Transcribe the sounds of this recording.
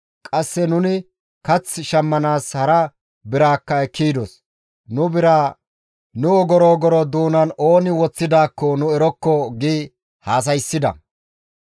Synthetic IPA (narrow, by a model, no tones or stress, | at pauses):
kʼɐsːɛnʊnɪ | kɐt͡sːʃɐmːɐnaːshɐɾɐ | bɪɾaːkːɐɛkːiːd̪ɔs | nʊbɪɾaː | nʊɔɡɔɾoːɡɔɾɔd̪uːnɐno̞ːnɪwɔt͡sːɪd̪aːkːɔnʊɛɾɔkːɔɡiː | haːs̬ɐjsːɪd̪ɐ̰